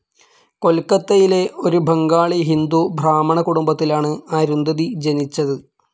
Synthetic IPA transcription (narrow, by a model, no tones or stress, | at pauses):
ko̞lkɐt̪ːɐjile̞o̞ɾubʱɐŋɡaːɭiɦind̪ubʱraːmɐɳɐkuɽumbɐt̪ːilaːɳɨaːɾund̪ʱɐðid͡ʑe̞nit͡ɕːɐðɨ